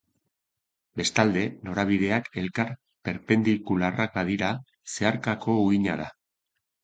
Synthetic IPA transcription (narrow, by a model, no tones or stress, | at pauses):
be̞st̪ald̪e̞no̞ɾaβ̞iðe̞ake̞lkaɾ | pe̞ɾpe̞nd̪ikularak̚baðiɾa | se̞aɾkako̞uiɲaða̰